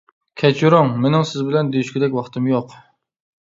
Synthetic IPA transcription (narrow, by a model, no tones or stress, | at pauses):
kʲʰɛt͡ʃʰuɾoŋmenɪŋsɪzbɪlɛnd̪ejyʃkʲɪd̪ɛkʲwɑχt̪ɨmjoq